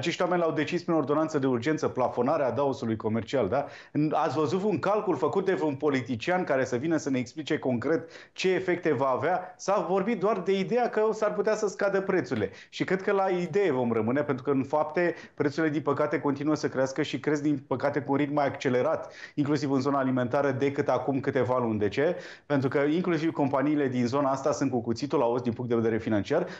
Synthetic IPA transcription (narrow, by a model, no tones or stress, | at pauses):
at͡ʃe̞ʃt̪ʲwame̞nʲlawd̪e̞t͡ʃispɾino̞rd̪oant̪səd̪e̞urd͡ʒe̞nt̪səplafo̞naɾead̪aosulujko̞me̞rt͡ʃiald̪a | ɨna̰t̪sʲvəzut̪uŋkalkulfəkut̪̚d̪evunpo̞lit̪it͡ʃiankaɾe̞səvinəsəne̞ːksplit͡ʃe̞ko̞ŋkɾe̞t̪ | t͡ʃe̞ːfe̞k̚t̪e̞vaːveasavo̞rbit̪̚d̪oard̪e̞id̪e̞jakəsarput̪easəskad̪əpɾet̪suɾile̞ | ʃikɾe̞d̪̚kəlaid̪e̞jevo̞mrəmɨnepent̪ɾukəɨnfapt̪e̞ | pɾe̞t̪suɾile̞d̪inpəkat̪e̞ko̞nt̪inuəsəkɾeaskəʃikɾe̞zd̪inpəkat̪e̞kuːnɾit̪̚majakt͡ʃe̞le̞ɾat̪iŋklusivɨnzo̞naːlime̞nt̪aɾəd̪e̞kɨt̪akumkɨt̪e̞valund̪e̞t͡ʃe̞ | pent̪ɾukəiŋklus̬ivko̞mpaniːle̞d̪inzo̞naast̪asɨnt̪kukut̪sit̪ulaosd̪inpuŋt̪d̪eved̪eɾefinant͡ʃiar